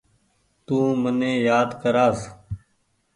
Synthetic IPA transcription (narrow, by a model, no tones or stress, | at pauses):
t̪ũːmənẽːjaːd̪kəɾaːs